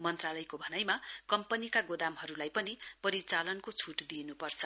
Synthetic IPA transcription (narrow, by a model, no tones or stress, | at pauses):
mʌnt̪ralʌjkobʱʌnajmakʌmpʌnikaɡod̪amɦʌɾulajpʌnipʌɾit͡salʌnkot͡sʰuʈd̪inupʌrt͡sʰʌ